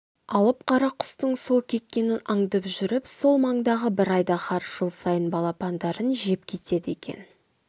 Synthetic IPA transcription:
ɑlˠəp̚qʰɑɾɑqʰːʊ̥st̪əɴso̞lˠkʲʰe̞t̪̚kʲe̞nɪnɑɴd̪ɑpʒʏɾɪpso̞lˠmɑɴd̪ɑʁəbɪɾɑjd̪ɑqɑɾʒ̥əlˠsɑjənbɑlˠɑpɑnd̪ɑɾənʒe̞p̚kʲʰe̞t̪e̞d̪ɪe̞kʲe̞̰n

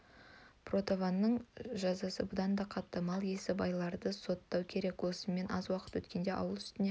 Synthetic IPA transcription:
pro̞t̪ovanːəɴʒɑzɑsəbʊd̪ɑnd̪ɑqʰɑt̪ːəmɑlˠje̞sɪbɑjlˠɑɾd̪əso̞t̪ːɑwkʲʰe̞ɾe̞kwo̞səme̞nɑ̰zwɑqə̥t̪wɵt̪kʲe̞nd̪e̞ʔɑ̰wəlˠʏst̪ɪne

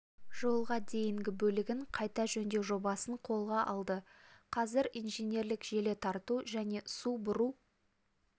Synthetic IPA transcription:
ʒ̥o̞lˠʁɑd̪e̞jɪŋɡʲɪbɵlɪɡʲɪɴqʰɑjt̪ɑʒɵnd̪ewʒo̞bɑsəɴqʰo̞lˠʁɑʔɑ̰lˠd̪əqʰɑzɪɾijnʒenʲe̞ɾlɪkʒ̥e̞le̞t̪ʰɑɾt̪uʒæne̞subʊɾu

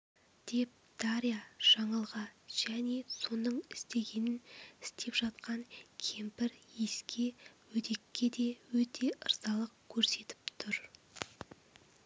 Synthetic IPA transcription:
d̪̥e̞p̚d̪̥ɑɾijaʒ̥ɑɴɑlˠʁɑʒ̥æne̞so̞nəɴɪst̪e̞ɡʲe̞nɪnɪst̪ʰe̞pʒ̥ɑt̪̚qɑŋkʲʰe̞mpɪɾje̞skʲe̞wɵd̪e̞kʲːe̞d̪e̞wɵt̪ʰe̞ʔə̰ɾzɑlˠəqkʲʰɵɾse̞t̪ɪ̥pt̪ʰʊɾ

